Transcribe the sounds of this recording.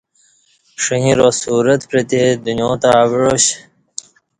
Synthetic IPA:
ʂɐĩɾosuːɾət̪pɾet̪ed̪unjõːt̪aːʋɻoɕ

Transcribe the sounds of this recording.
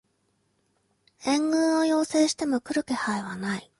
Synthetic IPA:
ẽ̞ŋɡɯ̟̃ɰo̞jo̞ːse̞ːɕi̥t̪e̞mo̞kɯ̟ɾɯ̟ke̞haiβ̞anai

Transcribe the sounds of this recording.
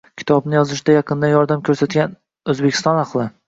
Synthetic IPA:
kʲʰɪ̥t̪ʰɒbnɪjɒzɪʃɪd̪ajɑqʰɨnd̪anjɒɾd̪amkʲʰɵɾsat̪ɡʲan | ɵzbekʲʰɪ̥st̪ɒnɑχqlˠɪ

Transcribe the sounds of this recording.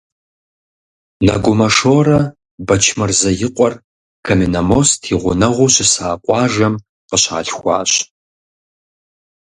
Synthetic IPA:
nɐ̰ɡʷʊmɐʂoːrɐ | bɐt͡ʃʰmɨrzɐjɪqʷʼɔr | kʰɐminɐmostʰiʁʷʊnɐʁʷʊɕɪsaːqʷʼɑːʒɐm | qəɕa̰ːɬxʷɑ̰ːɕ

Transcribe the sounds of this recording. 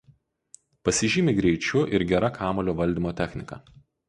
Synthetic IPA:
pɐsʲɪʒʲimʲɪɡɾʲɛɪt͡ʃʲʊʔɪɾɡʲɛɾɐkʰɑːmoːlʲoːʋɐlʲd̪ʲiːˑmoːt̪ʲæxʲnʲɪkɑ̰

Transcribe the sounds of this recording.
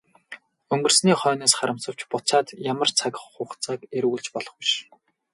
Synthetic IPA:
ɵŋɡɵ̆rsniːχœːneːsχaɾə̆m̥sə̆w̥t͡ɕpʊt͡saːt̪jamə̆rt͡sʰaɣʲɪ̥̆χːʊːχt͡saːkeɾɣuɮt͡ɕpɔɮɞ̆χwiʃ

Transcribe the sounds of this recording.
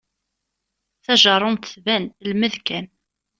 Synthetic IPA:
θæʒəɾˤʊnt̪θvænlməðkæn

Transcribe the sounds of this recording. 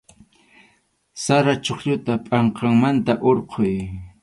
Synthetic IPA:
saɾat͡ʃoχʎʊt̪apʼɑɴqʰɑŋmant̪aʔoɾqʰoj

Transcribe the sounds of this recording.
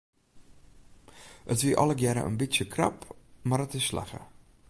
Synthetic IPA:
ətviʔɑləɡjɛɾə̰ʔə̰nbitjəkʰrɑ̰pmaɾətɪsːla̰χə̰

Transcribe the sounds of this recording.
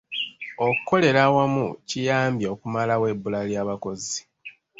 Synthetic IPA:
o̞kukːo̞le̞ɾawamucijaːmbjaokumalawe̞bːulaljaːβako̞zi

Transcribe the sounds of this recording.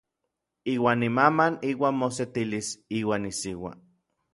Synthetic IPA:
iːwaːnːimamaniːwaːnmoset̪ilisiːwaːnːisiwa̰

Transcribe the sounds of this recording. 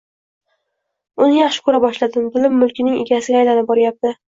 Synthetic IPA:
ʊnɪjɑχʃɪ̥kʰɵɾabɒʃlad̪ɪmd̪ɪlɪmːʊlˠkʲʰɪnɪŋɪ̰ɡʲasɪɡʲaːjlanɪp̚bɒɾjap̚t̪ɪ

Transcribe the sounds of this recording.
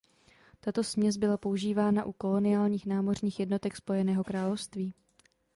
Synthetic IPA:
t̪at̪o̞smɲɛzbɪlapo̞uʒiːvaːnaʔuko̞lo̞nɪaːlɲiːxnaːmo̞rɲiːxjɛdno̞t̪ɛkspo̞jɛnɛːɦo̞kɾaːlo̞fst̪viː

